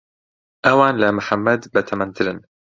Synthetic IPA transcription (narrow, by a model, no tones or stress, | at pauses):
ʔɐwaːnlamʊħamːɐd̪bɐt̪ʰɐmɐnt̪ʰɨlɨn